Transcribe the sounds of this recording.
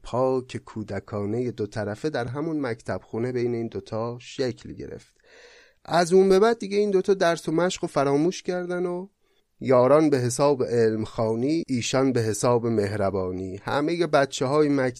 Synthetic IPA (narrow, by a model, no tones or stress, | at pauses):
pʰɒːcʰekʰuːd̪ækʰɒːne̞je̞d̪ot̪ʰæɾæfed̪æɾɦæmunmæct̪ʰæb̥xuːne̞be̞jne̞iːnd̪ot̪ʰɒːʃecʰlɟe̞̰ɾḛft̪ | ʔæzuːmbe̞bæd̪̚ːiɡɟe̞iːnd̪o̞t̪ʰɒːd̪æɾso̞mæʃɢofæɾɒːmuːʃcʰæɾd̪æno | jɒːɾɒːnbe̞ɦe̞s̬ɒːbeʔelmxɒːniːʔiːʃɒnbe̞ɦe̞sɒːbe̞me̞ɦɾæbɒːniːhæ̰me̞je̞bæt̪t͡ʃʰeɦɒːjemæ